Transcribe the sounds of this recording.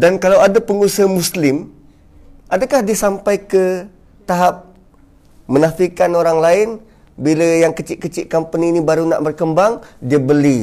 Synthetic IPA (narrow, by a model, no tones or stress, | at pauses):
dankalawadapəŋusamuslɪm | ʔadakahdiəsampajkə | t̪aɦap̚ | mənafikanoɾaŋlaɪn | bilajaŋkət͡ʃɪʔkət͡ʃɪʔkampaninibaɾuna̰ʔbərkəmbaŋdiəbəli